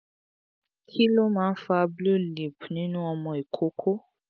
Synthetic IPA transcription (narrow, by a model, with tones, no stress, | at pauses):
kʰi˦lo˦mãː˨˦n̩˦fa˦blu˦li˨pnĩ˦nũ˦ɔ˧mɔ̃˨e˨kʰo˦kʰo˦